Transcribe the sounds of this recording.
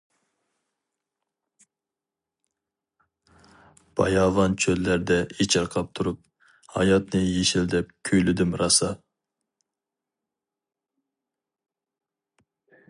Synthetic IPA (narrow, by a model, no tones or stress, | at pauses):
b̥ɑ̰jɑvɑnt͡ʃʰøzlæɾd̪ɛet͡ʃʰɑɾqʰɑp̚t̪ʰuɾup̚ | hɑ̰jɑt̪nɨjeʃɪld̪ɛp̚kʲʰøjlyd̪ɪmɾɑsɑ